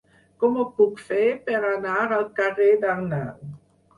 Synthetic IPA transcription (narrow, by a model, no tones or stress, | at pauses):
kuməpukfepeɾanaɾalkaɾedana